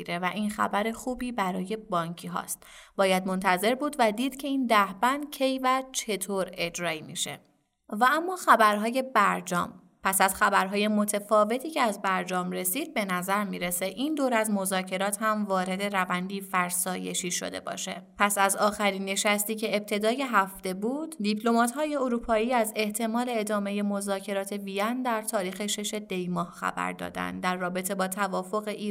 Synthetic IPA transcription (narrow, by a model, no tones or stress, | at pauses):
iɾe̞væʔiːnxæ̰bæɾe̞xuːbiːbæɾɒːje̞bɒːɲcʰiːɦɒ̰st̪bɒːjæd̪̚mo̞nt̪ʰæze̞ɾbuːd̪væd̪iːd̪̥cʰe̞iːnd̪æhbænd̪cʰe̞jvæt͡ʃʰe̞t̪ʰoːɾe̞d͡ʒɾɒːimḭːʃe̞̰ | vææmːɒːxæbæɾɦɒːje̞bæɾd͡ʒɒ̰ːm | pʰæsæzxæbæɾɦɒːje̞mo̞t̪ʰefɒːve̞t̪ʰiːce̞æzbæɾd͡ʒɒːmre̞siːd̪̥̚be̞næzæɾmiːɾe̞se̞ʔind̪oːɾæzmo̞zɒːcʰe̞ɾɒːt̪ʰhæmvɒːɾe̞d̪e̞ɾævænd̪iːfæɾsɒːje̞̰ʃiːʃo̞̰d̪e̞̰bɒ̰ʃe̞̰pʰæsæzɒːxæɾiːnːe̞ʃæst̪iːce̞ːb̚t̪ʰe̞d̪ɒːje̞ɦæft̪e̞buːd̪d̪ipʰlo̞mɒːt̪hɒːje̞oɾuːpʰɒːiːæze̞ht̪ʰe̞mɒːle̞ːd̪ɒːme̞je̞mo̞zɒːcʰe̞ɾɒːt̪ʰe̞viænd̪æɾt̪ʰɒːɾiːxe̞ʃe̞ʃe̞d̪e̞jmɒːhxæ̰bæ̰ɾd̪ɒ̰ːd̪æ̰nd̪d̪æɾːɒːbe̞t̪ʰe̞bɒːt̪ʰævɒːfo̞ɣe̞ʔiː